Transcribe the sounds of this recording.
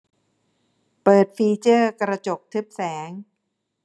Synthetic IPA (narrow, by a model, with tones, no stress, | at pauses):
pɤː˨˩t̪̚fiː˧t͡ɕɤː˥˩kɾa˧t͡ɕo˨˩k̚t̪ʰɯ˦˥p̚sɛː˩˦ŋ